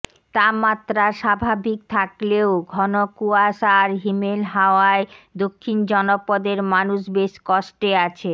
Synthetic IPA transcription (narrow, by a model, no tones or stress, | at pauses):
t̪amat̪ːɾaʃabʱabʱik̚t̪ʰakleoɡʱɔnokuaʃaɾɦimelɦaoaed̪okʰːind͡ʑɔnopɔd̪eɾmanuʃbeʃkɔʃʈeat͡ɕʰe